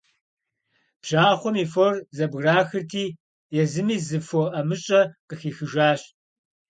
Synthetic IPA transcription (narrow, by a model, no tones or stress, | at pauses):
b̥ʒ̥aːχʷɔmiːforzɐbɣraːxɨrtʰiː | jɛzɨmiːzɨfɔʔɐmɨɕʼɐqəxiːxɨʒaːɕ